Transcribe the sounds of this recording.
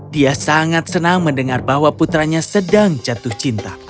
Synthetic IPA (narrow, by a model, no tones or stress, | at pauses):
diasaŋat̪̚sənaŋməndəŋarbahwaput̪ɾaɲasədaŋt͡ʃat̪ʊht͡ʃint̪a